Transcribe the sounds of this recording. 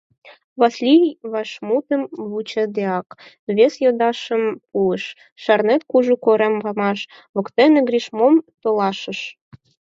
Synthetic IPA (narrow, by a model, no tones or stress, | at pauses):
βɑslʲijβɑʃmut̪ə̆mβut͡ɕɤ̆d̪eɑk | βʲesjod̪ɑʃə̆mpuəʃ | ʃɑrnet̪kuʒukoɾemvɑmɑʃ | βŏkt̪enĕɡrʲiʃmomt̪olɑʃə̆ʃ